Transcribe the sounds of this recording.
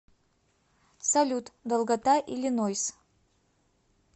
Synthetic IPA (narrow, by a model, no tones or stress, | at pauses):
salʲut̪d̪əlˠɡat̪aʔilʲinojs